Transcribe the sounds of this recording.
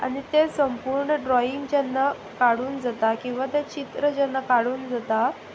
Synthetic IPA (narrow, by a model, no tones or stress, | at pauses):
a̰ɽ̃it̪esəmpuːɾɳəɖɾɔiŋɡd͡ʑanːa | kaɽuːnd͡zat̪akĩw̃ʋat̪et͡ɕit̪ɾəd͡ʑanːakaɽuːnd͡zat̪a